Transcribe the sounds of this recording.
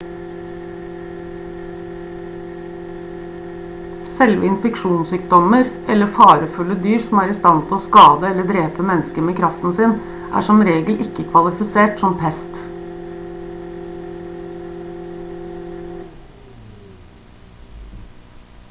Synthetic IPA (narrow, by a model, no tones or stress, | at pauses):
sɛlʋə̰ɪnfɛkʂuːnsʏːkd̪ɔməɾʔɛlːəfɑːɾəfʉlːəd̪yːɾsɔmæːɾɪst̪ɑnt̪ʰɪlɔːskɑːd̪əɛlːəɖ̪ɾeːpəmɛnːəskəmeːkʰɾɑft̪n̩sɪn | ʔæ̰ːʂɔmɾeːɡəl̩ʔɪkːəkʰʋɑlɪfɪseːʈsɔmpʰɛst̪